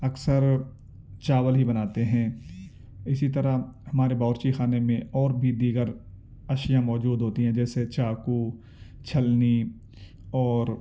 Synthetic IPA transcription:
ɐksəɾ | t͡ʃaːwəlɦibɐnaːt̪eɦɛ̃ː | ɪsit̪ɐɾahɐmaːɾebɔːɾt͡ʃixaːnemẽɔːɾbʱid̪iːɡəɾ | ɐʃjãmɔːd͡ʒuːd̪ʱɦoːt̪iɦɛ̃d͡ʒɛːset͡ʃaːku | t͡ʃʰɐlni | ɔːɾ

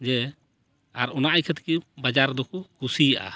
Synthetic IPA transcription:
d͡ʒɛ | aɾɔnaʔajkʰɛt̪kibad͡ʒaɾd̪ɔkɔkusijaʔa̰

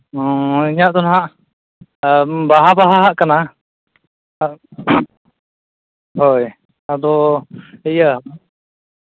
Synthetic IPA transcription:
ɔ̃iɲaʔt̪ɔnɦaʔ | baɦabaɦaɦaʔkana | hoj | ad̪ɔ | ɛjəa

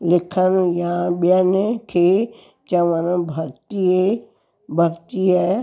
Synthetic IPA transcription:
lɪkʰənjãɓiənekʰe | t͡ʃɐʋənbʱɐɡt̪ie | bʱɐɡt̪iɦɛ

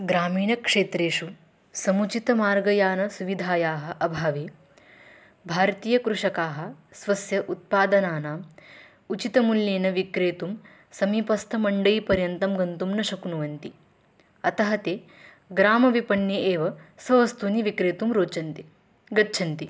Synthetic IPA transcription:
ɡɾaːmiːɳɐkʂeːt̪ɾeːʂu | sɐmut͡ʃit̪ɐmaːɾɡɐjaːnɐsuʋid̪ʱaːjaːɦɐ̆ʔɐbʱaːʋeː | bʱaːɾt̪iːjɐkɾuʂɐkaːɦɐ̆sʋɐsjɐʔut̪̚paːd̪ɐnaːnaːm | ut͡ʃit̪ɐmuljeːnɐʋikɾeːt̪um | sɐmipɐst̪ʰɐmɐɳɖɐjpɐɾjɐnt̪ɐmɡɐnt̪umnɐʃɐkunuʋɐnt̪i | ɐt̪ɐɦɐt̪eː | ɡɾaːmɐʋipɐnjɐʔeːʋɐsʋɐʋɐst̪uniʋikɾeːt̪umɾoːt͡ʃɐnt̪i | ɡɐtːt͡ʃʰɐnt̪i

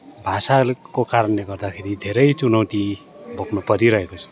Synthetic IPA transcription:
bʱasalkokaɾʌnleɡʌrd̪akʰeɾid̪ʱeɾʌjt͡sunʌwt̪i | bʱoknʌpʌɾiɾʌɦekot͡sʰʌ̥

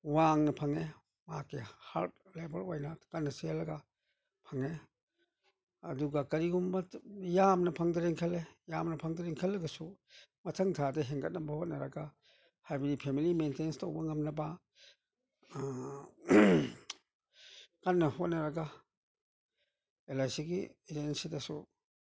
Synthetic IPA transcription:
waŋnɐpʰɐŋe | makehaɾt̚lebɐlajnakɐnːɐselːɐɡa | pʰɐŋe | ɐduɡakɐɾiɡumbɐjamnɐpʰɐŋdɐɾeŋkʰɐlejamnɐpʰɐŋdɐɾeŋkʰɐlːɐɡɐsu | mɐtʰɐŋtʰadɐɦeŋɡʰɐt̚nɐbɐhot̚nɐɾɐɡa | hajbɐdipʰemilimentenstʰowbɐŋɐmnɐbɐ | kanːɐhot̚nɐɾɐɡa | elajsiɡied͡ʒensidɐsu

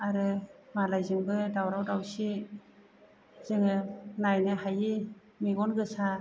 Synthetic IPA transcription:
aɾɯmalajzɯŋbɯdawɾawdawsi | zɯŋɯnajnɯɦaji | miɡɔnɡɯsa

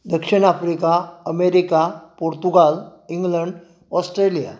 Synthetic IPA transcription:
d̪əkʂiɳ̃afɾikaəmeɾikapoɾt̪uɡaliŋɡləɳɖ | ɔsʈɾelija̰

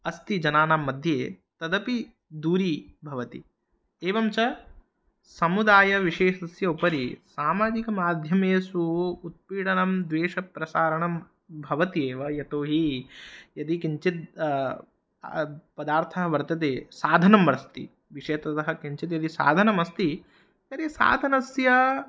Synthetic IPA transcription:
ɐst̪id͡ʒɐnaːnaːmːɐd̪ʱjeː | t̪ɐd̪ɐpi | d̪uːɾibʱɐʋɐt̪ḭ | eːʋɐmt͡ʃɐ | sɐmud̪aːjɐʋiʃeːʃɐsjɐupɐɾisaːmaːd͡ʒikɐmaːd̪ʱjɐmeːsuːt̪̚piːɽɐnɐmd̪ʋeːʂɐpɾɐsaːɾɐɳɐm | bʱɐʋɐt̪ieːʋɐjɐʈ̪oːɦi | jɐd̪ikiɲt͡ʃit̪̚ | pɐd̪aːɾt̪ʰɐɦɐʋɐɾt̪ɐt̪̬eːsaːd̪ʱɐnɐmʋɐɾɐst̪ḭ | ʋiʂeːt̪ɐt̪ɐɦɐkiɲt͡ʃit̪jɐd̪isa̰ːd̪ʱɐnɐmɐst̪i | jɐɾisa̰ːd̪ʱɐnɐsjɐ

